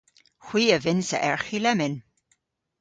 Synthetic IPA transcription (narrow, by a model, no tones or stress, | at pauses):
xw̥iːəvɪnsə̰ʔɛɹxilɛmɪn